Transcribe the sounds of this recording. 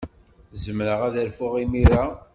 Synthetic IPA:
zəmɾəʁæðæɾfʊʁimiɾa

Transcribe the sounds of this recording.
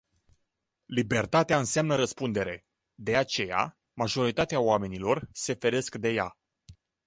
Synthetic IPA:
libe̞rt̪at̪eaɨnseamnəɾəspund̪e̞ɾe̞ | d̪e̞at͡ʃe̞ja̰ | maʒo̞ɾit̪at̪eaoame̞nilo̞rse̞fe̞ɾe̞skd̪e̞ja̰

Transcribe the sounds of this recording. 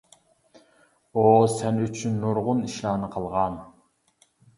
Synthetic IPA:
osɛnyt͡ʃʰynːuɾʁʊniʃlˠɑːnɨqʰəlˠʁɑn

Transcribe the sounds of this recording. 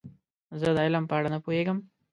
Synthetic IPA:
zəd̪aɪlampɑːɽanəpoeɡəm

